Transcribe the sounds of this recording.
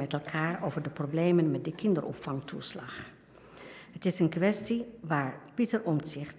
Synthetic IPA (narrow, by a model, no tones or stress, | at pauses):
mɛtɛlˠkʰaːɹowvəɹdəproblejmənmɛt̚dəkʰɪndərɔ̰pfɑŋtʰṵslɑ̰χ | ɦətɪsənkʋɛstiʋaːɹpitəɹɔmsɪχt